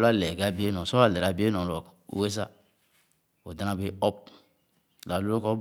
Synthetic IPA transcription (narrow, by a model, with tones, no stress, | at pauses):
la˦lɛ˨ɡa˦˨bi˦e˦nɔ̃˨sɔ˦a˦˨lɛ˨ɾa˨bi˦e˦nɔ̃˨lɔ̰˨˦we˦sa˦ | o˨da˨nã˦be˨˦ɔ˦p̚ | la˨lu˦o˦kɔ˦